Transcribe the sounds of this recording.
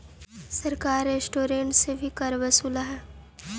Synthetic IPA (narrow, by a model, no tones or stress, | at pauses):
sɐɾkaːɾeːsʈoːɾẽːɳʈsebʱikɐɾʋəsuːlaɦɛː